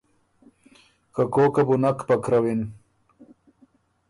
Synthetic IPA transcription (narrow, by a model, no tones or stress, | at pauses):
kakoːkabunakpakɾawin